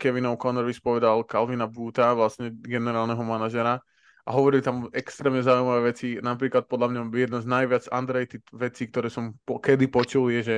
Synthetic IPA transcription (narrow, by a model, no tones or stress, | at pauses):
kɛʋinɔʊkɔnɔɾʋispɔʋɛd̪alkalʋinabuːt̪aʋlasɲɛɡɛnɛɾaːlnɛɦɔmanaʒɛɾa | ʔaɦɔʋɔɾilit̪amɛkst̪ɾɛːmɲɛzaujmaʋɛːʋɛt͡sinapɾiːklat̪̚pɔd̪lamɲajɛd̪naznajʋɪad͡za̰nd̪ɾɛjt̪it̪ʋɛt͡siːk̚t̪ɔɾɛːsɔmpɔkɛd̪ipɔt͡ʃuljɛʒɛ